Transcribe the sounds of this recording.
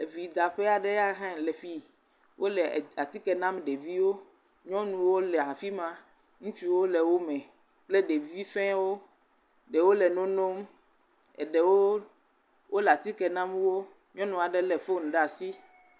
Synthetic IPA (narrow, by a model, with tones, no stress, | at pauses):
e˨vi˨d̪a˨ɸe˦a˨ɖɛ˦ja˦ɦɛ̃˦lɛ˨fi˦ | wʔo˦lɛ˨a˨t̪i˦kɛ˨nã˦mɖe˨vi˦wo˦ | ɲɔ̃˦nũ˨wo˦lɛ˨a˨fi˦mã˦ | ŋũ˦t͡ʃu˦wo˦lɛ˨wo˦mɛ̃˨ | k͡ple˦ɖe˨vi˦fɛ̃˦wo˦ | ɖɛ˨wo˦lɛ˨nõ˦no˦m | ɛ̰˨ɖɛ˨wo˦ | wo˦lɛ˨a˨t̪i˦kɛ˨nã˦mwo˦ | ɲɔ̃˦nɔ̃˨a˨ɖɛ˨lɛ˨fo˦˨n̩˨ɖa˨si˦